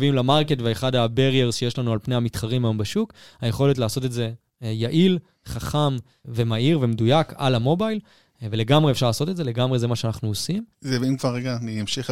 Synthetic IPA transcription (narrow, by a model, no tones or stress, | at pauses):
vimlamaʁketveeχadabeʁjeʁzʃejeʃlanualpnehamitχaʁimɦajo̞mbaʃukhaje̞χo̞le̞t̬laːso̞te̞tze̞ | jaʔil | χaχam | ve̞maiʁve̞medujaka̰lamo̞bajl | ve̞le̞ɡamʁeːfʃaʁlaːsotetze̞le̞ɡamʁe̞ze̞maʃeanaχnuosimzevimkvaʁːeɡaniamʃiχ